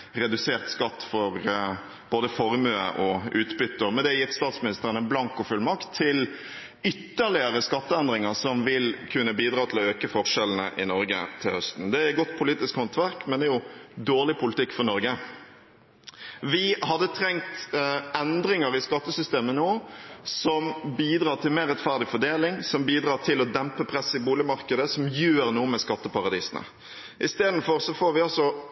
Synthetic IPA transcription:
ɾɛd̪ʉseːʁt̪skɑt̪ːfɔɾ | b̥oːd̪əfɔɾmøːə̰ʔɔʉːt̪bʏt̪ːəɾmɛnd̪ɛjɪʁt̪st̪ɑːt̪smɪnɪst̪əʁənəblɑŋkɔfʉlmɑkt̪ʰːɪl | ʏt̪ːəʁlɪəɾəskɑt̪ːəɛnd̪ɾɪŋəʁsɔmʋɪlkʰʉnːəbiːd̪ɾɑːt̪ʰɪlɔøːkəfɔʁʂɛln̩ə̰ʔɪnɔɾɡə̰t̪ʰɪlhœst̪n̩d̪ɛæɾɛt̪̚ɡɔt̪ːpʰʊliːt̪ɪskhɑnt̪ʰʋæɾkmɛnd̪ɛæjʊd̪oːʁɭɪpʰʊlɪt̪ʰɪkːfɔʁnɔɾɡə | ʋɪhɑd̪ːət̪ʰɾɛŋt̪ɛnd̪ɾɪŋəɾɪskɑt̪ːəsʏst̪eːmənoːsɔmbiːd̪ɾɑːt̪ʰɪlmeːʁɛt̪fæʁd̪ɪfɔɖ̪eːlɪŋsɔmbiːd̪ɾɑːt̪ʰɪlɔd̪ɛmpəpʰɾɛsːɪbuːlɪmɑɾkəd̪əsɔmjøːɾnuːəmɛskɑt̪ːəpɑɾɑd̪iːsnə̰ | ʔɪst̪eːd̪n̩fɔɾsɔfoːɾʋɪɔsɔ

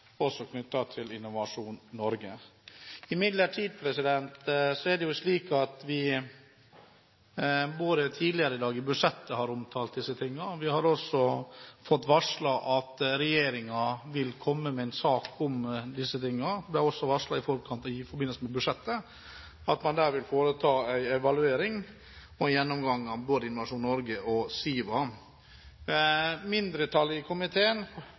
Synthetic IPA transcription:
ɔsːɔkʰnʏt̪ːɑt̪ʰɪlɪnːʊʋɑʂuːnnɔɾɡə | ɪmɪd̪ləʈʰiːd̪̚pʰɾɛsɪd̪ɛnt̪sɔæɖɛjʊsliːkɑt̪ʋɪ | buːɾət̪ʰiːd̪lɪəɾəɪd̪ɑːɡɪbʉʂɛt̪ːəhɑɾʊmt̪ʰɑːlt̪̚d̪ɪsːət̪ʰɪŋːəɾʋɪhɑɾɔsɔfɔt̪ːʋɑʂɭɑʔɑt̪ɾɛjeːɾɪŋɑʋɪlkʰɔmːəmɛæɪnsɑːkʰʊmd̪ɪsːət̪ɪŋːəɑɾb̪læɾɔsːɔʋɑʂɭɑɪfɔɾkʰɑnt̪fɔɾbɪnːəlsəmɛbʉʂɛt̪ːə | ɑt̪mɑnd̪æːɾʋɪlfoːɾət̪ʰɑːæɪɛʋɑlʉeːɾɪŋ | ɔjɛnːɔmɡɑŋːɑboːd̪əɪnʊʋɑʂuːnnɔɾɡəʔɔsiːʋɑ | mɪnd̪ɾət̪ʰɑlːɪəkʰʊmɪt̪ʰeːən

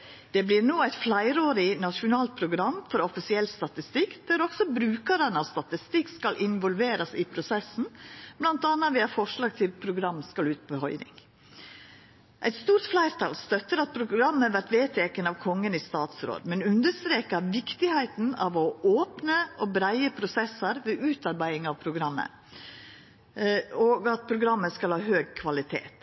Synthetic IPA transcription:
d̪̥ɛblɪːɾnoːæɪt̪flæɪɾoːɾɪnɑʃʊnɑːlt̪̚pʰɾʊɡɾɑmːfɔɾɔfɪsɪɛlːst̪ɑt̪ɪst̪ɪkːd̪̥æɾɔksɔbɾʉːkəɾənɑʋst̪ɑt̪ɪst̪ɪkːskɑlʔɪnʋɔlʋeːɾɑsɪpʰɾʊsɛsn̩b̥lɑnt̪ɑːnːɑʋiːɑfɔʂɭɑːɡ̚t̪ʰɪlpʰɾʊɡɾɑmskɑlʉːt̪̚pʰɔhɔʏɾɪ̰ŋ | ʔæɪt̪st̪uːɾt̪flæɪɾt̪ʰɑlst̪œt̪ːəɾɑt̪̚pʰɾʊɡɾɑmːəʋæɾʈ̪ʋeːt̪ʰeːkənɑʋkʰɔŋːənist̪ɑːt̪sɾo̰ːd̪mɛnʉnd̪əst̪ɾeːkɑʋɪkt̪ɪhæɪt̪n̩ɑʋɔʔoːpnəʔɔbɾæɪəpʰɾʊsɛsəɾʋɛʔʉːt̪ɑɾbæɪɪŋɑʋpʰɾʊɡɾɑmːə̰ | oːɡɑt̪̚pʰɾʊɡɾɑmːəskɑlhɑːhøːɡ̚kʰʋɑlɪt̪ʰḛːt̪

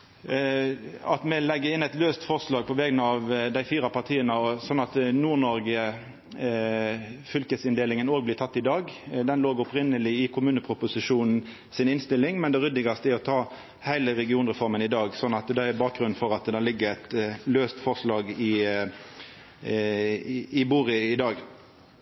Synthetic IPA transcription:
ɑt̪mɛlɛɡːəɪnɛɪt̪løːst̪fɔʁslɑːɡ̚pʰɔʋɛːɡənəɑʋd̪æɪfiːɾɑpʰɑʁt̪ʰiːənəɔsɔnːɑt̪nuːʁnɔɾɡə | fʏlkəsɪnd̪eːlɪŋənoːɡblɪːt̪ʰɑt̪ːɪd̪ɑːɡd̪ɛnloːɡʊpʁɪnːəlɪɪkʰʊmʉːnəpʰʁʊpʊsɪʂuːnn̩ | sɪnɪnst̪ɪlːɪŋmɛnd̪ɛɾʏd̪ɪɡɑst̪əæɾɔt̪ʰɑː | hæɪləɾɛɡɪuːnʁɛfɔʁmənɪd̪ɑːɡsɔnːɑt̪d̪ɛæbɑːk̚ɡɾʉnfɔɾɑt̪d̪ɛːlɪɡːəʁɛt̪løːst̪fɔʁʂlɑːɡɪ | ɪbuːʁɪɪd̪ɑːɡ

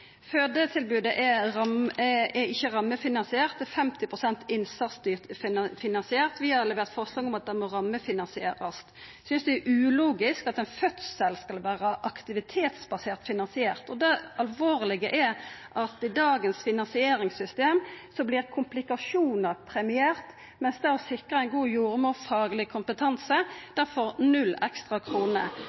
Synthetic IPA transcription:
føːd̪ət̪ʰɪlbʉːd̪əʔɛʁɑmɛɪçːəʁɑmːəfɪnɑnsɪeːʁt̪ɛfɛmt̪ɪpʰʁʊsɛnt̪ʰɪnsɑt̪st̪yːʁt̪fɪnɑnsɪeːʁt̪ʋɪhɑɾɛlɛʋeːʁt̪fɔʁslɑɡɔmɑt̪̚d̪ɛmɔɾɑmːəfɪnɑnsɪeːɾəst̪ | sʏnsd̪ɛɛʔʉːluːɡɪskɑt̪ɛnfœt̪ssɛlskɑlʋæːɾəʔɑkt̪ɪʋɪt̪ʰeːt̪sbɑseːʁt̪fɪnɑnsɪeːʁt̪ɔd̪ɛɑlʋoːʁlɪɡəʔæʔɑt̪ɪd̪ɑːɡənsfɪnɑnsɪeːɾɪŋsʏst̪eːmsɔblɪʁkʰʊmplɪkɑʂuːnəɾpʰɾɛmɪeːʁt̪ | mɛnsd̪ɛæʁɔsɪkʁəæɪnɡuːjuːɾəmoːfɑːɡlɪkʰʊmpət̪ʰɑnsəd̪̥æɾfɔʁnʉlːɛ̰kst̪ʁɑkʰʁuːnə̰

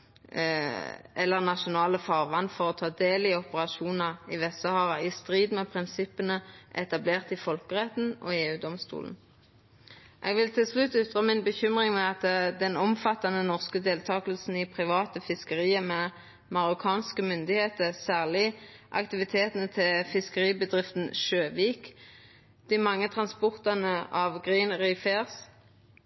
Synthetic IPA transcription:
ɛlːəʁnɑʃʊnɑːləfɑʁʋɑnːfɔʁɔt̪ʰɑːd̪eːlɪɔpəʁɑʃuːnəʁɪʋɛsəhɑːʁəɪst̪ʁiːd̪mɛpʰʁɪnsɪpənəʔɛt̪ɑbleːʁt̪ɪfɔlkəʁɛt̪n̩ɔ̰eːʉːd̪ɔmst̪ṵːln̩ | ʔɛ̰ɡʋɪlt̪ʰɪlslʉt̪ːʏt̪ʁəmɪnbəçʏmʁɪŋmɛɑt̪d̪ɛnɔmfɑt̪ːɑnənɔʁskəd̪eːlt̪ʰɑːkəl̩sn̩ɪpʰʁɪʋɑːt̪əfɪskəʁiːəmɛ | mɑʁʊkʰɑːnskəmʏnd̪ɪheːt̪əʁsæːʁlɪʔɑ̰kt̪ɪʋɪt̪ʰeːt̪ənət̪ʰɪlfɪskəʁiːbəd̪ʁɪft̪n̩ʃøːʋiːk | d̪̥ɪmɑŋːət̪ʰʁɑnspɔʁt̪ɑnəɑʋɡʁiːnʁiːfeːʁs

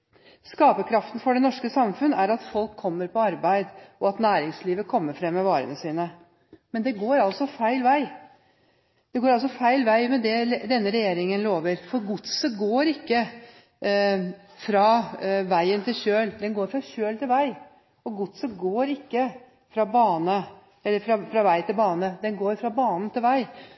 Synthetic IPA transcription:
skɑːpəkʰɾɑft̪n̩fɔɖɛnɔʂkəsɑmfʉnːæɾɑt̪fɔlkʰːɔmːəɾpʰɔɑɾbæɪd̪ʔɔɑt̪næːɾɪŋsliːʋəkʰɔmːəɾfɾɛmːɛʋɑːɾə̰nəsiːnə | mɛnd̪ɛɡoːɾɑlsɔfæɪlʋæɪ | d̪̥ɛɡoːɾɑls̬ɔfæɪlʋæɪmɛd̪ɛd̪ɛnːəɾɛjeːɾɪŋənloːʋəɾfɔɾɡʊt̪səɡoːɾɪkːə | fɾɑʋæɪənt̪ɪlɕøːld̪ɛnɡoːɾfɾɑɕøːlt̪ʰɪlʋæɪ | ɔɡʊt̪səɡoːɾɪkːə | fɾɑbɑːnə | ɛlːəfɾɑfɾɑʋæɪt̪ʰɪlbɑːnəd̪ɛnɡoːɾfɾɑbɑːnn̩t̪ʰɪlʋæɪ

